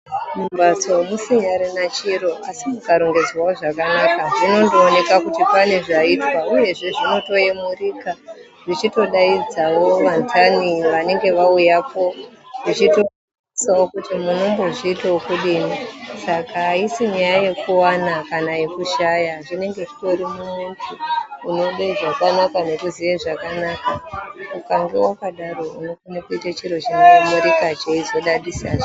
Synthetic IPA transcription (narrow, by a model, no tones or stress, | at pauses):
mumbat͡somusiɲaɾinat͡ʃiɾo̞asimukaɾo̞ŋɡe̞d͡zwaoʐakanakaʐino̞ndoːne̞kakutipane̞ʐaitwauje̞ʐe̞ʐino̞to̞e̞muriːka | ʐit͡ʃito̞ɗaid͡zawo̞ʋantʰaniʋane̞ŋɡe̞ʋaujapo̞ʐit͡ʃito | isawokutimuno̞mbo̞ʐiːteokuɗiːnisakaisiɲajaje̞kuwanakanajekuʃajaʐine̞ŋɡe̞ki̥to̞ɾimumuntʰuːno̞ɗeiʐakanakano̞kuziʋeʐakanakaukaŋɡewakaɗaro̞uno̞kanakuitat͡ʃiro̞t͡ʃinoamuɾikat͡ʃeizoɗaɗisa̰ʐo